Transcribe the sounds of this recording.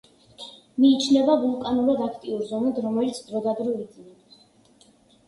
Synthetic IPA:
miːt͡ʃʰnɛbavulˠkʼanuɾad̪akʰt̪ʼiuɾzɔnad̪ɾɔmɛlit̪sʰd̪ɾɔd̪ad̪ɾɔid̪zinɛ

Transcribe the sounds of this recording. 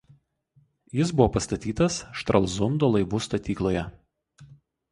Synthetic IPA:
jɪsbʊʋoːpɐst̪ɐt̪ʲiːt̪ɐsʃt̪ɾɐlˠzʊnd̪oːlˠɐɪʋuːst̪ɐt̪ʲiːklˠoːjɛ

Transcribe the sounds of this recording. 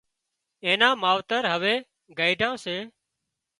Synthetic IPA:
ẽːnãːmaːʋt̪əɾɦəʋeː | ɡaːiɖʱãːseː

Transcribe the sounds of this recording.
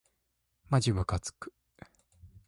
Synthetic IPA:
mad͡ʑiβakat͡sɨ̥kɯ̥

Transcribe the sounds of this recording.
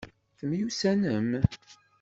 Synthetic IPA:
θəmjusænəm

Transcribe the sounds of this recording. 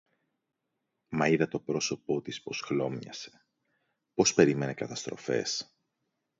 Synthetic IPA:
mɐiðɐt̪o̞pɾo̞so̞po̞t̪ispo̞sxlo̞mɲɐ̰se̞̥ | po̞spe̞ɾime̞nekɐt̪ɐst̪ɾo̞̰fe̞̰s

